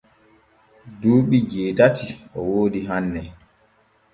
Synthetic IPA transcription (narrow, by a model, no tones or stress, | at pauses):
duːɓid͡ʒeːdatiɔwoːdiɦanːɛ